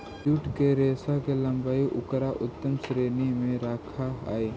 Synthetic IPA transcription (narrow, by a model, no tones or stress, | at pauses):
d͡ʒuʈkeɾeːsakelɐ̃mbaːiʔʊkɾaʔʊt̪ːəmsɾeːnimẽɾaːkʰaa̰ːeː